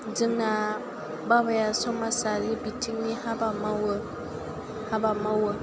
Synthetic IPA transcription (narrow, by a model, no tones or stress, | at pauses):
d͡ʒɪŋna | babajasɔmasalibitiŋnihabamawo | habamawo